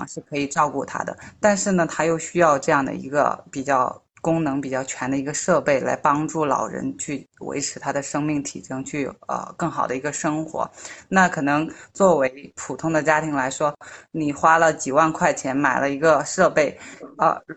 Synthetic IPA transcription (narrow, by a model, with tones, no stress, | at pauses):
ŋʂɻ̩˥˩kʰɤ˧˥i˨˩ʈ͡ʂɑ˥˧ʊku˥˩t̪ʰa̰˥d̪ə̰˨t̪a˥˧nʂɻ̩˥˩nə˩t̪ʰa˥jo˥˩˧ʊɕy˥jɑ˥˧ʊʈ͡ʂɤ˥˧jɑ˥˩ŋd̪ə̰˩ḭ˧˥ɡə̰˧pi˨˩t͡ɕjɑ˥˩ʊ | kʊ˥ŋnɤ˧˥ŋpi˨˩t͡ɕjɑ˥˩ʊt͡ɕʰɥɛ˧˥nd̪ə˧i˧˥ɡə˧ʂɤ˥˧pe˥˩ɪla̰˧˥ɪpɑ˥ŋʈ͡ʂu˥˩lɑ̰˨˩ʊɻə̰˧˥nt͡ɕʰy˥˩wḛ˧˥ɪʈ͡ʂʰɻ̩˧˥t̪ʰa˥d̪ə˨ʂɤ˥ŋmi˥˩ŋt̪ʰḭ˨˩ʈ͡ʂɤ˥ŋt͡ɕʰy˥˩ə̰˧kɤ˥˩ŋxɑ˨˩ʊd̪ə˦i˧˥ɡə˧ʂɤ˥ŋxwɔ̰˧˥na˥˩kʰɤ˨˩nɤ˧˥ŋt͡swɔ˥˩we˧˥ɪpʰu˨˩t̪ʰʊ˥ŋd̪ə˨t͡ɕja˥t̪ʰi˧˥ŋla˧˥ɪʂwɔ˥ni˨˩xwa˥lə˨t͡ɕi˨˩wa˥˧nkʰwa˥˩ɪt͡ɕʰjɛ˧˥nma˨˩ɪlə˦i˧˥ɡə˧ʂɤ˥˧pe˥˩ɪə̰˧˩